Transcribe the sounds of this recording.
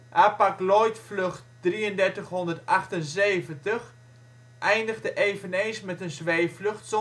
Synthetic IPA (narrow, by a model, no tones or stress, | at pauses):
ʔapaklɔjtflɵχtdriəndɛrtəχɦɔndərtaχtənseːvəntəχ | ʔɛjndəɣdəʔeːvənejnsmɛtənzʋeːflɵxts